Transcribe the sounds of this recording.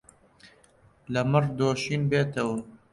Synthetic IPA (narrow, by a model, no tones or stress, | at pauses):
lɐmɨɾd̪oːʃiːnbeːt̪ɐwɐ